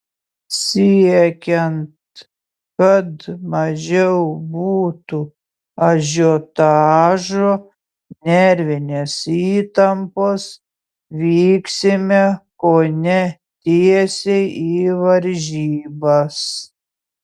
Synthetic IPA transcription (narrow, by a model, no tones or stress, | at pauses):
sʲiɛkʲɛnt̪ | kɐt̪mɐʒʲɛʊbuːt̪u | ɐʒʲot̪ɑːʒoː | nʲɛɾʲʋʲɪnʲeːsiːt̪ɐmpoːs | ʋʲiːksʲɪmʲɛkoːnʲɛ | t̪ʲiɛsʲejiːʋɐɾʲʒʲiːbɐs